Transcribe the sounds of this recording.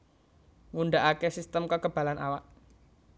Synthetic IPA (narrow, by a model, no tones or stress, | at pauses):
ŋunɖaʔakesist̪əmkəkəb̥a̤lanʔa̰waʔ